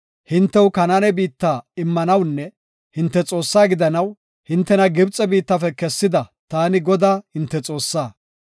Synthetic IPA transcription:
hɪnt̪ːɛwkɐnaːnɛbiːt̪ːaːɪmːɐnɐwnːɛ | hɪnt̪ːɛt͡sʼo̞ːsːaːɡɪd̪ɐnɐw | hɪnt̪ːɛnɐɡɪbt͡sʼːɛbiːt̪ːɐfɛkɛsːɪd̪ɐt̪aːnɪɡɔd̪aːhɪnt̪ːɛt͡sʼo̞ːsːaː

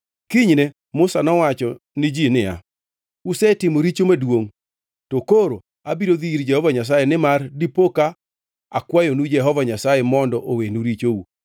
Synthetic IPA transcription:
kiɲne | mʊsanɔwat͡ʃɔnɪd͡ʒinɪa̰ | usɛtɪmoɾit͡ʃomadwoŋ | tokoɾo | abiɾod̪iiɾd͡ʒɛhɔvaɲas̬ajenɪmardipoka | a̰kwajonud͡ʒɛɦɔvaɲasajemɔndɔʔowenuɾit͡ʃou

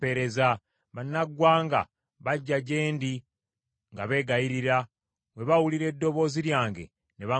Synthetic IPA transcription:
eɾe̞za | βanːaɡwaːŋɡa̰ | βaɟːaɟe̞ːndi | ŋɡaβe̞ːɡajiɾiɾa | we̞βawuliɾe̞ːdːo̞βo̞ːziɾjaːŋɡe̞̰ | neβa

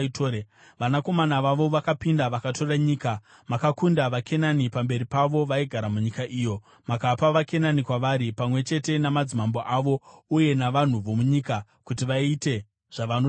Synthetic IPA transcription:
tʰoːɾe | ʋanako̞manaʋaʋo̞ʋakapindaʋakatʰo̞raɲiːka | makakundaʋake̞nanipambe̞ɾipaʋo̞ʋaiɡʱaɾamuɲikaʔiːjo̞ | makapaʋake̞nanikwaʋaɾipamwe̞t͡ʃe̞te̞namad͡zimamboʔaʋo̞uje̞naʋan̤uʋomuɲika | kutiʋaite̞ | ʐ̥aʋano

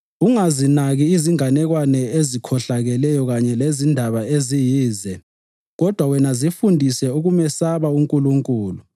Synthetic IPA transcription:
uŋazinaɣiːziŋanɛɣwanɛezikʰɔɬaɣɛlɛjɔɣaɲɛlezindʱaβaezijiːzɛ | ɣɔd̥ʱwawɛnazifundʱisɛuɣumɛsaβauŋkʼuluŋkʼuːlu

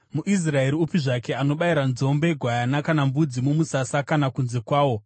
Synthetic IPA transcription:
muʔis̬rae̞ɾiupiʐakeano̞ɓaiɾanzo̞mbe̞ɡʱwajanakanambud͡zimumusasakanakunze̞kwaːwo̞

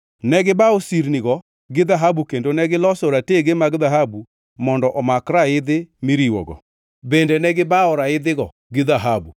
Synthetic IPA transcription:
nɛɡɪbaosiɾniɣɔ | ɡɪðaɦabukendonɛɡɪlɔsoɾateɡemaɡðaɦabu | mɔndɔʔɔmakɾaɪðɪmiɾiwɔ̰ɣɔ̰ | bendɛnɛɡɪbaɔɾaɪðɪɣɔ | ɡɪðaɦabu

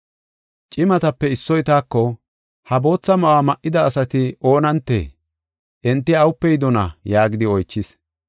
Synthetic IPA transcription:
t͡ʃʼɪmɐt̪ɐpːɛɪsːɔjt̪aːkːɔ | hɐbo̞ːt͡sːɐmɐʔaːmɐʔːɪd̪ɐːsɐt̪ɪo̞ːnɐnt̪ːḛː | ʔɛnt̪ːɪɐwʊpːɛjɪd̪ɔnɐ̰jaːɡɪd̪ɪɔjt͡ʃːɪs

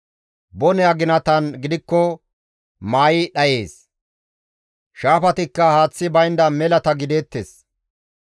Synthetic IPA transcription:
bɔnɛɐɡɪnɐt̪ɐnɡɪd̪ɪkːɔ | maːjɪɗɐje̞ːs | ʃaːfɐt̪ɪkːɐhaːt͡sːɪbɐjnd̪ɐmɛlɐt̪ɐɡɪd̪eːt̪ːḛːs

